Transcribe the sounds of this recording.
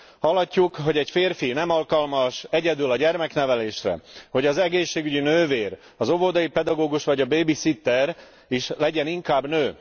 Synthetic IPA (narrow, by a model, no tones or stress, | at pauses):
hɒlːɒcːukɦo̞ɟɛcfeːrfinɛmɒlkɒlmɒʃɛɟɛd̪ylɒɟɛrmɛknɛvɛleːʃrɛ̰ho̞ɟɒzɛɡeːʃːeːɡyɟinøːveːr | ɒzo̞vod̪ɒjipɛd̪ɒɡoːɡuʃʋɒɟɒbeːbisit̪ːɛr | iʃlɛɟɛniŋkaːbnøː